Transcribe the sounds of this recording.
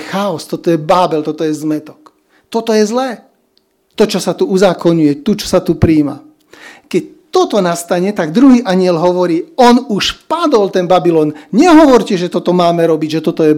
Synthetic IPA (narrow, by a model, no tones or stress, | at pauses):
xaɔst̪ɔt̪ɔjɛbaːbɛlt̪ɔt̪ɔjɛzmɛt̪ɔ̥k | t̪ɔt̪ɔjɛzlɛː | t̪ɔt͡ʃɔsat̪uuzaːkɔɲujɛt̪ut͡ʃɔ̥sat̪upɾiːma̰ | kɛc̚ | t̪ɔt̪ɔnast̪aɲɛt̪aɡd̪ɾuɦiːʔaɲɪɛlɦɔʋɔɾiːɔnuʃpad̪ɔlt̪ɛnbabilɔːnɲɛɦɔʋɔɾcɛʒɛt̪ɔt̪ɔmaːmɛɾɔbiɟʒɛt̪ɔt̪ɔjɛ